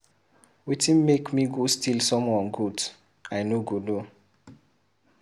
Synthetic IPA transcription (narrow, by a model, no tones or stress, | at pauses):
witĩnmekmiɡostʰilsɔ̃mwɔ̃nɡud | aɪnoɡodo